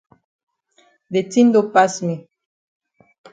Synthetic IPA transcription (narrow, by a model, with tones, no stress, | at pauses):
de˨tĩ˦nd̪o˦pa˦smi˨